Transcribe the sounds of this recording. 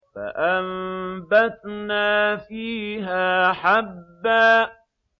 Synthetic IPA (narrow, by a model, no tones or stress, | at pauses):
fa̰ʔambat̪naːfiːɦaːħabːaː